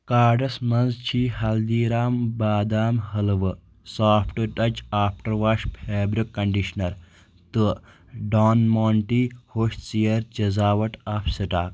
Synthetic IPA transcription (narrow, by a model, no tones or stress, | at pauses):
kaːɖɐsmɐnzt͡ʃʰiːɦɐld̪iːɾaːmbaːd̪aːmɦɐlɨʋɨ | saːpʰʈɨʈɐt͡ʃaːpʰʈɐɾʋaʃpʰeːbɾikːɐɳɖiʃnɐɾ | t̪ɨ | ɖaːnmoːɳʈiːhoːʃt͡sijɐɾt͡ʃɐzaːʋɐʈaːpʰsiʈaːk